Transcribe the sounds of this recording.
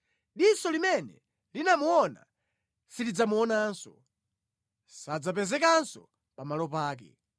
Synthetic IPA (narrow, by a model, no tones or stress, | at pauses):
ɗisɔlimɛnɛ | linamuɔna̰ | silid͡zamuɔnaːnsɔ | sad͡zapɛzɛkansɔ̰ | pamalɔpaːk̬ɛ̰